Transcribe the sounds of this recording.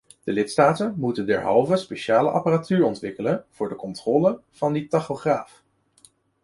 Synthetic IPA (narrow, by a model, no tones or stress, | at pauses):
d̥əlɪtstaːtənmutəndɛ̰ɹɦɑ̰lˠvəspeʃaːlə̰ʔɑ̰paratyːɹɔntʋɪkələnv̥ʊːɹdəkɔntrɔːləv̥ɑnditɑχoχraːf